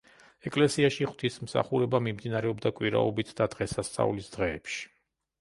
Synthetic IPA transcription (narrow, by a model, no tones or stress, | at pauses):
ɛkʼlɛsiaʃiχwt̪ʰism̩sa̰χuɾɛbamimd̪inaɾɛɔbd̪akʼwiɾa̰ɔbit̪ʰd̪ad̪̥ʁɛsast̪sʼa̰ulisd̪̥ʁɛːpʃi̥